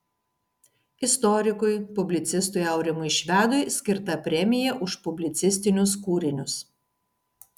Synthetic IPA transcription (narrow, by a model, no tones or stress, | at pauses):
ɪst̪ɔɾʲɪkʊɪpʊbʲlʲɪt̪sʲɪst̪ʊɪɐʊɾʲɪmʊɪʃʲʋʲæːd̪ʊɪsʲkʲɪɾt̪ɐpʲɾʲɛmʲɪjɛʔʊʃpʊbʲlʲɪt̪sʲɪsʲt̪ʲɪnʲʊs̬kuːɾʲɪnʲʊs